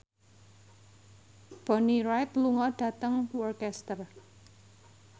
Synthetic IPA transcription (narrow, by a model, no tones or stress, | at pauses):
b̥ɔniɾajt̪luŋɔɖ̥ä̤t̪əŋwɔrkɛst̪ər